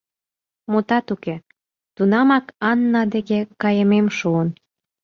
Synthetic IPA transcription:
mut̪ɑt̪uke | t̪unɑmɑkɑnːɑd̪ĕɣekɑjə̆memʃuən

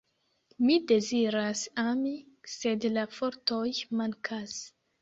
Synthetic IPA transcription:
mid̪eziɾasami | sed̪lafoɾt̪ojmaŋkʰas

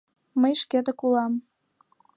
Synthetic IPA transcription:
məjʃket̪ə̆kulɑm

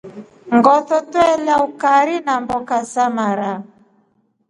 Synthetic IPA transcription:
ŋɡɔθɔtwɛlaukaɾinambɔkasamaɾa

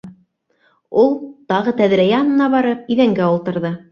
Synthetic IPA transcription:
ulˠt̪ɑʁɤt̪æðɾæjæɑnɤ̆nɑβɑɾɤp̚iðæŋɡæulˠt̪ɤ̆ɾðɤ

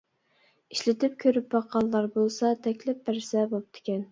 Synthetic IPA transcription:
iʃlɪt̪ʰɪp̚kʲʰøɾyp̚bɑqɑlˠːɑɾbolˠsɑt̪ʰɛkʲlɪp̚bæɾsɛbop̚d̪̥ʰɪ̥kʲɛn

